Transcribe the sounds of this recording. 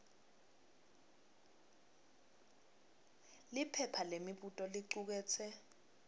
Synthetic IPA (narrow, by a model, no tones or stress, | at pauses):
lipʰɛpʰalemiɓutʼɔliǀuk̬ɛːt͡sʰɛ